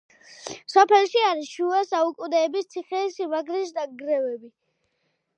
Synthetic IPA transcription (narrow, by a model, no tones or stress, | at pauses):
sɔpʰɛlˠʃiaɾiʃuasaukʼud̪ɛːbist̪sʰiχɛsivaɡɾis̬d̪aɡɾɛvɛbi